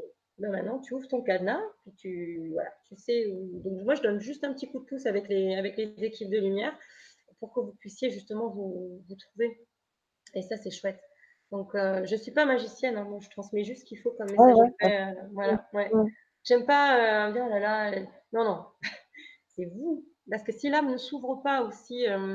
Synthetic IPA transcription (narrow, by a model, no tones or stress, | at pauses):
bɛmɛ̃t̪nɑ̃t̪yuvʁət̪ɔ̃kanapɥit̪ʰyvwa̰la̰t̪ysɛud̪ɔ̃kmwaʒəd̪ɔnʒyst̪ɛ̃pət̪ikud̪̚əpusavɛkleavɛklezekʲip̚d̪əlymjɛːʁ | puʁkəvupɥisjeʒyst̪əmɑ̃vuvut̪χuve | esasɛʃwɛt̪ | d̪̥ɔ̃køʒəsɥipamaʒisjɛnɛ̃mwaʒət̪χɑ̃smɛʒyst̪kʲilfokɔmːeaʒfɛøvwalawɛ | ʒ̥ɛmpaø̃bjɛ̃lala | nɔ̃nɔ̃ | sɛvu | paʁsə̥kəsilamnəsuvʁəpaosiøm